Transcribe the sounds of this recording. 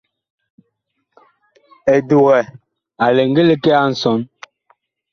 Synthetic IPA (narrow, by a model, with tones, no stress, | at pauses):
e˨du˨ɣɛ˨ | a˨le˨ŋ˦ɡe˦le˦kɛ˦a˦n̩˨sɔ˨˦n